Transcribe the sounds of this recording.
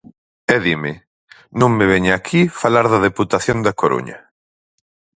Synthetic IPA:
ɛðimɪ | nõŋmeβ̞eɲaakʰifalaɾðɐðeput̪aθjond̪ɐkoɾṵɲɐ̰

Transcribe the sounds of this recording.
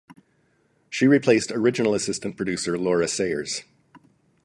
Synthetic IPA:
ʃiɹipʰl̥eɪstə˞ɪd͡ʒɨnl̩ˠəsɪstɨ̃npʰɹ̥ɨdʉsə˞lɔɹɨseɪə̰˞z̥

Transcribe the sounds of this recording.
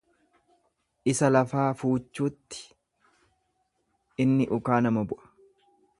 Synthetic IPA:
ʔɪsɐlɐfaːfuːt͡ʃːuːt̪ːɪ̥ | ɪnːɪʔʊkaːnɐmɐbʊʔɐ̥

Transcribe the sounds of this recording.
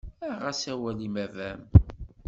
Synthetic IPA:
æʁæsæwælimævæm

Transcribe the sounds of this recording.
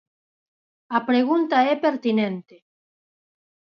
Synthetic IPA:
ɐpɾeɣunt̪aɛpeɾt̪inẽnt̪e

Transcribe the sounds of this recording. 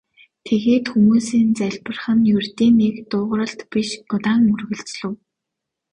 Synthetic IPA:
t̪ʰeɣeːt̪xumuːsiːnt͡sæɮʲpə̆rχə̆njɵrt̪iːnekt̪ʊːʁɾə̆ɬt̪piʃtʊt̪aːŋmɵrɣɵ̆ɮt͡sɮɵ̆w

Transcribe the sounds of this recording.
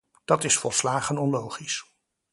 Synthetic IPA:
d̥ɑtɪsfɔlˠslaːχənɔnlowχis

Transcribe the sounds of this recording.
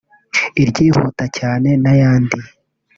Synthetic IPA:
iɾɟiːhṵtacaːne̞najaːndi

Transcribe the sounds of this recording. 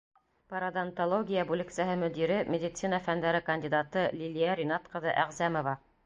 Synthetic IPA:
pɐɾad̪ɑnt̪olˠoɡʲijəbulʲɘktsæɦɤmɵ̆d̪iɾɘmʲed̪ʲɪt̪sinɑfænd̪æɾɘkɐnʲdʲid̪at̪ɤlʲilʲijaɾʲinɑt̪qɤ̆ðɤʔæʁzæmovɑ

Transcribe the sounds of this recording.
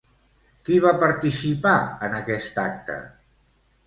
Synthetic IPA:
kiβapəɾt̪isipaənəkɛst̪ak̚t̪ə̰

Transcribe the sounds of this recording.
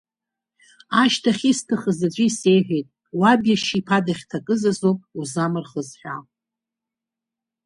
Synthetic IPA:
aʃtʰaχʲistʰɨχəzad͡ʒʷiise̞jħʷᶣejtʼ | wabjaʃipʰadaχʲtʰakʼɨzazopʼuzamɨrχəzħʷᶣa̰l

